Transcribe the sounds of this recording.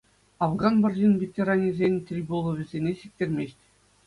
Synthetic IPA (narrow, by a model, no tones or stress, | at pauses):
ɑvɡɑnbɤ̆rʲʑinʲvʲet̪ʲeɾɑnʲizʲenʲt̪ʲrʲibolˠɤ̆ʋʲɘ̆zʲenʲeɕik̚t̪ʲerʲmʲeɕʲtʲ